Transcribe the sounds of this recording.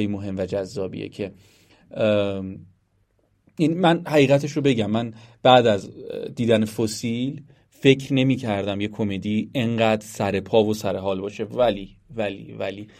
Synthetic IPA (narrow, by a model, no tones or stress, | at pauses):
jmoɦe̞mvæd͡ʒæzːɒːbḭḛcʰe̞ | jænimænhæʁiːɣæt̪ʰeʃɾobe̞ɟæmːænb̥æːd̪æzd̪iːd̪ænefosiːl | fe̞cʰɾne̞miːcʰæɾd̪æmje̞kʰo̞med̪ie̞ɴɢæːd̪ɾsæɾe̞pʰɒːvosæɾe̞ɦɒːlbɒːʃe̞væliːvælḭvæli